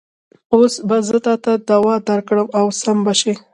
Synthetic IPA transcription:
osbazət̪ɑt̪ad̪awɑd̪aɾkɽəmawsambaʃe

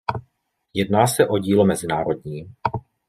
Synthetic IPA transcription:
jɛdnaːsɛʔo̞ɟiːlomɛzɪnaːɾo̞d̚ɲiː

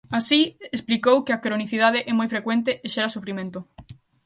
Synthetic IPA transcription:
asiesplikowkɪakɾoniθiðað̞ɪʔɛmojfɾekwẽnt̪eeʃɛɾɐsufɾimẽnt̪ʊ

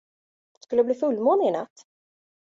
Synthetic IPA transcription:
skɵlːəbliːfɵlːmoːnɪɪna̰t̪ː

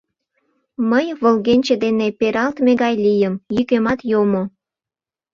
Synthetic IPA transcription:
məjβəlɣenʲt͡ɕĕd̪enepeɾɑlt̪meɣɑjlʲijəmjykemɑt̪jomo

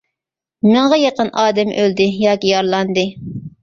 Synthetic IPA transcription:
mɨɴʁɑjɑqənʔɑːd̪ɛmʔøld̪ɪjɑːkʲijɑɾlˠɑnd̪ɨ

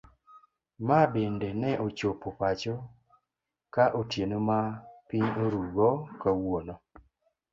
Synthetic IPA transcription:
mabendenɛʔot͡ʃopopat͡ʃo | kaʔotjenomapiɲoɾuɡɔkawonɔ

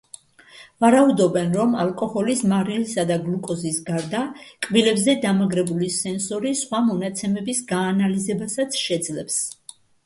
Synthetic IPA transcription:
vaɾaud̪ɔbɛnɾɔma̰lˠkʼɔhɔlismaɾilisad̪aɡlukʼɔzisɡaɾd̪akʼbilɛbzɛd̪amaɡɾɛbulisɛnsɔɾisχwamɔnat̪sʰɛmɛbisɡaːnalizɛbasat̪sʰʃɛd̪zlɛps

